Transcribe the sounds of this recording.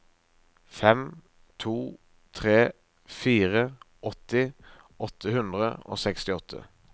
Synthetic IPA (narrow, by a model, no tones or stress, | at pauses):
fɛm | t̪ʰuː | t̪ʰʁeː | fiːʁə | ɔt̪ɪ | ɔt̪ʰːəhʉnd̪ʁə̰o̰ːsɛkst̪ɪɔt̪ʰə̰